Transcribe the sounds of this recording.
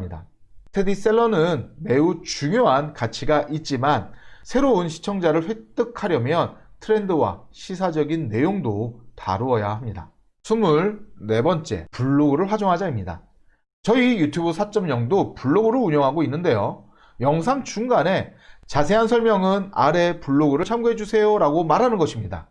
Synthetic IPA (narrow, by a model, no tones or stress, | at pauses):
ɲida̰ | tʰe̞dis͈e̞ɭːʌnɯnme̞ut͡ɕuŋjoɦankat͡ɕʰiɡaʔit̚t͡ɕ͈imansʰe̞ɾounɕʰi̥t͡ɕʰʌŋd͡ʑaɾɯɭɸwet͈ɯkʰaɾjʌmjʌntʰɯɾe̞ndɯwa̰ɕʰisʰad͡ʑʌɡinːe̞joŋdota̰ɾuʌjahamɲida̰ | sʰumuɭne̞bʌnt͡ɕ͈e̞̰puɭːoɡɯɾɯɭɸwad͡ʑoŋɦad͡ʑaimɲida̰ | t͡ɕʌijutʰjubusʰat͡ɕ͈ʌmɲʌŋdopuɭːoɡɯɾɯɭuɲʌŋɦaɡoinːɯnde̞jo | jʌŋsʰaŋt͡ɕuŋɡane̞ | t͡ɕasʰe̞ɦansʰʌɭmjʌŋɯna̰ɾe̞puɭːoɡɯɾɯɭt͡ɕʰamɡuɦe̞d͡ʑusʰe̞joɾaɡomaɾɦanɯnɡʌɕʰimɲida̰